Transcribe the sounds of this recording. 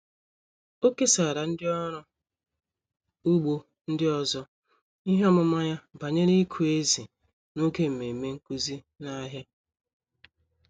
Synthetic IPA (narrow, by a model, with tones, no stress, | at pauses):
o˦ke˦sa˨ɾa˨n̩˦dɪ˦ɔ˦ɾʊ˦ | u˦ɡ͡bo˦ | n̩˦dɪ˦ɔ˦zɔ˦ | i˦ɦe˦ɔ˦mʊ˦ma˦ja˦ba˨ɲe˦ɾi˦kʰu˨e˦zi˨ | no˦ke˦m̩˨me˨me˦ŋ̩˦ku˦zi˦ | na˦ɦja˦